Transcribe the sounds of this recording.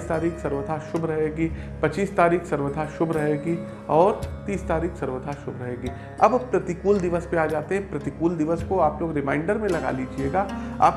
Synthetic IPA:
st̪aːɾiːksɐɾʋəd̪ʱaʃʊbʱɾɐɦeːɡiːpɐt͡ʃiːst̪aːɾiːksɐɾʋəd̪ʱaʃʊbʱɾɐɦeːɡi | ɔːɾt̪iːst̪aːɾiːksɐɾʋəd̪ʱaʃʊbʱɾɐɦeːɡiː | ɐbpɾɐt̪ikuːld̪ɪʋəspeaːd͡ʒaːt̪eɦɛ̃pɾɐt̪ikuːld̪ɪʋəskoaːploːɡɾɪmãːɪ̃ɳɖəɾmẽlɐɡa̰ːlid͡ʒieːɡaːa̰ːp

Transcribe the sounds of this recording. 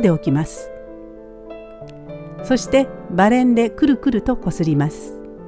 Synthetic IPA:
d̪e̞okʲimasɨ̥ | so̞ɕi̥t̪e̞baɾẽ̞nd̪e̞kɯ̟ɾɯ̟kɯ̟ɾɯ̟t̪o̞ko̞sɨɾʲimasɨ̥

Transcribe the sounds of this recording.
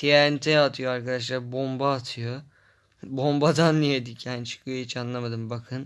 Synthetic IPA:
t̪ʰiant̪ʰeat̪ʰɯjoaɾkad̪aʃlˠaɾbo̞mbaːt̪ʰɯjo | bo̞mbad̪anːijed̪icʰant͡ʃʰɯ̥kʰɯjoit͡ʃanlˠamad̪ɯmbakʰɯn

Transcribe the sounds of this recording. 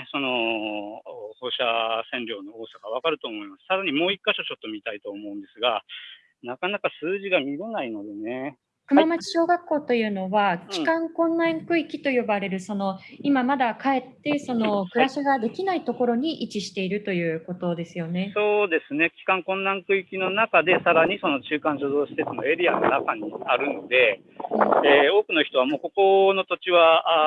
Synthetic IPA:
so̞no̞ | ho̞ːɕasẽ̞nɾʲo̞ːno̞oːsakaβ̞akaɾɯ̟t̪o̞ːmo̞imasɨ̥t̪ad̪aɲ̟imo̞ːikːaɕo̞t͡ɕo̞t̪ːomʲit̪ait̪o̞ːmo̞ɯ̟̃nd̪e̞sɨɡa | nakanakasɨːʑiɡamʲiɾenaino̞d̪e̞ne | kɯ̟mmamat͡ɕi̥ɕo̞ːɡakːo̞ːt̪o̞jɯ̟ːno̞βakʲi̥kãŋkõ̞nːãŋkɯ̟ikʲi̥t̪o̞jo̞baɾe̞ɾɯ̟so̞no̞imamad̪akae̞t̪ːe̞so̞no̞kɯ̟ɾaɕiɡad̪e̞kʲinait̪o̞ko̞ɾo̞ɲ̟iʔit͡ɕiɕi̥t̪e̞iɾɯ̟t̪o̞jɯ̟ːko̞t̪o̞d̪e̞sɨjo̞ne̞so̞ːd̪e̞sɨne̞kʲi̥kãŋkõ̞nːãŋkɯ̟ikʲino̞nakad̪e̞saɾaɲ̟iso̞no̞t͡ɕɨːkãɲɕozo̞ːɕi̥set͡sɨno̞̰e̞ɾʲiano̞̰nakaɲ̟iaɾɯ̟nod̪e̞ | eo̞ːkɯ̟no̞çi̥t̪o̞βamo̞ːko̞ko̞no̞t̪o̞t͡ɕiβa

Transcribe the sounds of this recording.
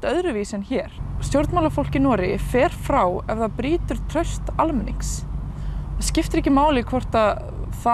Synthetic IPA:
t̪œðɾʏviːsɛnçɛːɾ̥st̪jowɾt̪mawlafowl̥cɪnɔːɾɪfɛːɾ̥fɾawɛvðaðpɾiːt̪ʏɾ̥t̪ʰɾœɥst̪almɛniŋks | scɪft̪ʏɾɛcɪmaːwlɪkʰvɔr̥t̪að | θa

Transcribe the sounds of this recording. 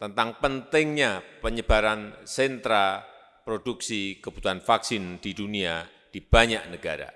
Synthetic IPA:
t̪ənt̪aŋpənt̪ɪŋɲapəɲəb̥aɾansɛnt̪ɾa | pɾoduksikəb̥u̥t̪uɦanfaksɪnd̥idunia | d̥ib̥aɲaʔnəɡaɾa̰

